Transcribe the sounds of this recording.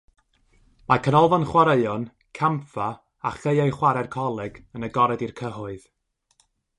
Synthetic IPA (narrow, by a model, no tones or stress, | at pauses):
makʰənɔlˠvɔnχwaɾeɨɔn | kʰamfa | aχejajχwaɾɛrkʰɔlˠɛɡənəɡɔɾɛdirkʰəɦʊɨð̥